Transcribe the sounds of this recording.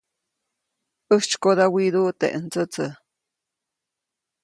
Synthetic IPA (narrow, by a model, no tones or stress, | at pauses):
ʔəht͡ʃkod̪awiɾut̪ḛʔənt͡sət͡sə